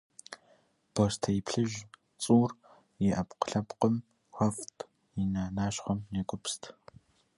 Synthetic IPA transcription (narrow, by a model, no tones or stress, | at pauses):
b̥ostʰɐjipɬɨʒ | t͡sʼuːr | jɛʔɐpqə̥ɬɐpqəm | xʷɐftʰ | jinaːnaːɕχʷɐmnekʷʼʊpstʰ